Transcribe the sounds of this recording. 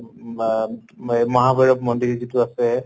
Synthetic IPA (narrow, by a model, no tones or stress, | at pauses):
mɔɦabɔɹɔp̚mɔndizituasɛ